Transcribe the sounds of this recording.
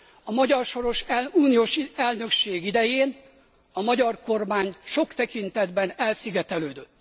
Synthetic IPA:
ɒmɒɟɒrʃo̞ɾo̞ʃuːnijoːʃɛlnø̞kʃeːɡid̪ɛjeːn | ɒmɒɟɒrko̞rmaːɲʃo̞kt̪ɛkint̪ɛd̪bɛnɛlsiɡɛt̪ɛløːd̪øt̪ː

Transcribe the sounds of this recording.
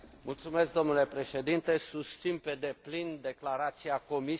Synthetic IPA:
mult̪sume̞sk̚d̪o̞mnule̞pɾe̞ʃe̞d̪int̪e̞sust̪sinpe̞d̪e̞plind̪e̞klaɾat̪siako̞mi

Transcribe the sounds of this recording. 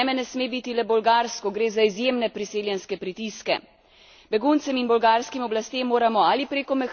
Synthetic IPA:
mɛnɛsmeːbit̪ilɛbɔlɡaːɾskɔɡɾeːzaizjeːmnɛpɾiseːljɛnskɛpɾit̪iskɛ̰ | bɛɡunt̪sɛminbɔlɡaːɾskimɔblast̪emːoːɾamɔalipɾeːkɔmɛx

